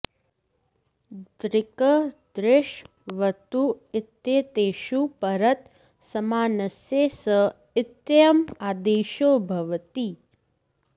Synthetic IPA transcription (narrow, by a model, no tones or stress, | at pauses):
d̪ɾɪkəd̪ɾɪʃ | ʋət̪uɪt̪ːjeːt̪eːʃupɐɾət̪ | sɐmaːnɐsjeːsə | ɪt̪jɐmaːd̪eːʃoːbʱɐʋt̪iː